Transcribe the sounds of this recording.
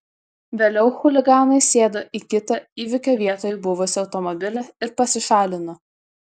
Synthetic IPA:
ʋʲeːlʲɛʊxʊlʲɪɡɑːnɐɪsʲeːd̪oːʔikʲɪt̪ɐiːʋʲɪkʲoːʋʲiɛt̪oːjbʊʋʊsʲɪɒʊt̪ɔmɔbʲɪlʲɛɪɾpɐsʲɪʃɑːlʲɪnɐ

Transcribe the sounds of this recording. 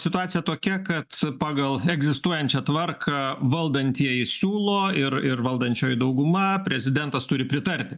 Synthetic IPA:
sʲɪt̪ʊɑːt̪sʲɪjɛt̪oːkʲɛkɐt̪pɑːɡɐlˠɛɡzʲɪst̪uɔjɛnʲt͡ʃʲɛt̪ʋɐrkʰɑːʋɐlˠd̪ɐnʲt̪ʲiɛjɪsʲuːlˠoːɪɾɪrʋɐlˠd̪ɐnʲt͡ʃʲoːjɪd̪ɐʊɡʊmɐpʲɾʲɛzʲɪd̪ʲɛnt̪ɐst̪ʊɾʲɪpʲɾʲɪt̪ɐɾʲt̪ʲɪ

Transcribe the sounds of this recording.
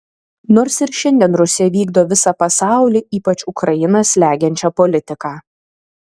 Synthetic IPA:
noːɾsɪɾʃʲɛnʲd̪ʲɛnɾʊsʲɪjɛʋʲiːɡd̪oːʋʲɪsɑpɐsɑˑʊlʲiːiːpɐt͡ʃʲʊkɾɐjɪnɐslʲæːɡʲɛnʲt͡ʃʲɛpɔlʲɪt̪ʲɪkɑː

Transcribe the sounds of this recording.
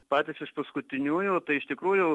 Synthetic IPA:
pɑːt̪ʲɪsɪʃpɐskʊt̪ʲɪnʲuːjuːt̪ɐɪɪʃt̪ʲɪkɾuːjʊ

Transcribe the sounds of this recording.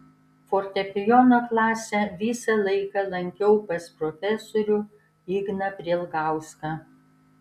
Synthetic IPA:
foɾʲt̪ʲɛpʲɪjɔnoːklˠɑːsʲɛʋʲiːsɐlˠɐɪkɐlˠɐŋʲkʲɛʊpɐspɾɔfʲɛsoːɾʲʊ | iːɡnɐpʲɾʲiɛlˠɡɑˑʊskɑː

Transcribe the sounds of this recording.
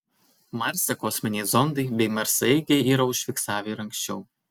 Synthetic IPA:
mɑɾʲsʲɛkɔsʲmʲɛnʲɛzɔnd̪ɐɪbʲɛɪmɐɾsɐɪɡʲɛɪiːɾɐʊʃʲfʲɪˑksɑːʋʲeɾɐŋkʲsʲt͡ʃʲɛʊ

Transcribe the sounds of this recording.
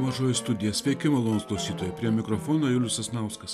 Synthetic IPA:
mɐʒoːjɪst̪ʊd̪ʲɪjɛsʲʋʲɛkʲɪmɐlˠoːnsklˠɐʊsʲiːt̪oːjɛpʲɾʲiɛmʲɪkɾɔfoːnoːjʊlʲʊsɐsnɑʊskɐs

